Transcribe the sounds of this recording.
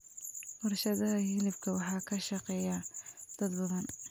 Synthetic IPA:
wɑrʃɐðɐɦɐhilɪfkʰɐwɑħɑːkʰɐʃɐqɛːjɐd̪̥ɐd̪bɐðɐn

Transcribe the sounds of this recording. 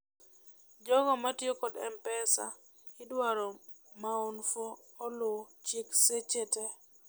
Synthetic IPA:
d͡ʒɔɡɔmatjokodɛ̰mpɛsa̰ | ɪdwaɾɔ | maonfoː | lʊt͡ʃikset͡ʃete

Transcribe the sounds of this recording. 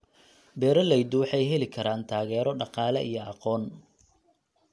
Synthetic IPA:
bɛːɾɐlɛjd̪ʊwɑħɑjɦɛlɪkʰɐɾaːnt̪ʰaːɣɛːɾɔɖɑqɑːlɛʔijɔɑqɔːn

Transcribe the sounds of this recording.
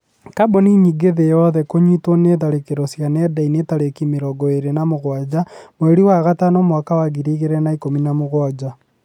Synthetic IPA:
kaboniɲiɡeðejɔðɛkoɲitoneðaɾekeɾosjanɛdainetaɾekimeɾɔɡɔeɾenamoɣwad͡ʒamoeɾiwaɣatanomwakawaɣiɾiɣeɾɛnaikominamoɣwad͡ʒa

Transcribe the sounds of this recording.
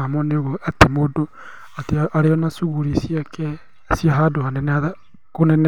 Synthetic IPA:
amoneoɣoetemodo | ateaɾeɔnasuɣuɾisiakʰɛ | siaɦadohanɛnða | konɛn

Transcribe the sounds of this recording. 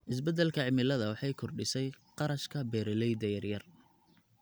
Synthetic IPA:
ʔɪsbɛd̪ɛlkʰɐʕɪmɪlɐðɐwɑħɑjkʰɔrɖɪsɛjqɑɾɐʃkʰɐbɛːɾɛlɛjd̪ɐjɐrjɐr

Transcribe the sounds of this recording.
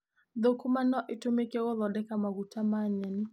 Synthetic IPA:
ðʊkumanɔʔitumikɛwɔðɔdɛkamaɡutʰamaɲɛn

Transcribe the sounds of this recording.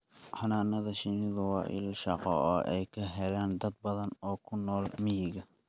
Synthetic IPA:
ħɑnaːnɐðɐʃɪnɪðɐwɑ̰ːʔɪ̰lʃɑqɔʔɔʔɛjkʰɐɦɛlaːnd̪ɐd̪̚bɐðɐnɔːkʰʊnɔːlmɪjɪɣɐ

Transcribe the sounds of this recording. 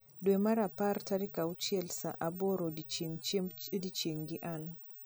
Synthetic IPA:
dɔɛmaɾapaɾtaɾikaut͡ʃiɛlsaʔabɔɾɔdit͡ʃ | dit͡ʃeŋɡiʔan

